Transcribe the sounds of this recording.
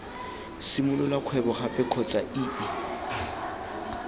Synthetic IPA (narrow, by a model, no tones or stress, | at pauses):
sɪmʊlʊlakʰwɛbɔχapʼɛkʰɔt͡ʃʼaʔiːʔɪ